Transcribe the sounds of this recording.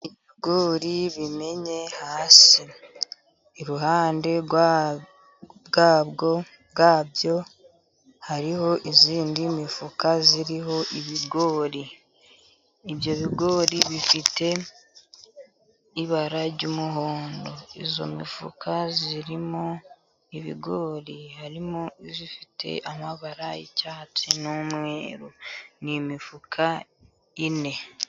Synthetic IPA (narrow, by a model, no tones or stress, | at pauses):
iβiɡo̞ːɾiβime̞ɲe̞haːsiː | ɾuɦaːnde̞ɡ | ɡaːβɡo̞ | ɡaːbjo̞ | haɾiho̞ʔiziːndimifukaziɾiɦo̞ʔiβiɡo̞ːɾi | βjo̞βiɡo̞ːɾiβifite̞ | iβaɾaɟumuɦoːndo̞izo̞̰mḭfṵkʰaziɾimo | iβḭɡoːɾihaɾimoizifitʰe̞̰ʔamaβaɾajḭcatinomwḛːɾonimifukʰa | ine̞